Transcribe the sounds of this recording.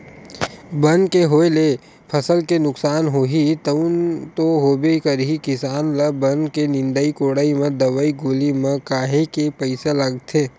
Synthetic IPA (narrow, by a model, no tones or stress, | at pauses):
bɐnkeɦoːele | pʰɐsəlkenʊksaːnɦoːɦit̪ənt̪oɦoːbekəɾikɪsaːnləbənkenɪ̃nd̪əikoːɽaːimẽd̪ɐʋaiɡoːlimẽkaːɦekepəɪselɐɡt̪ʰeː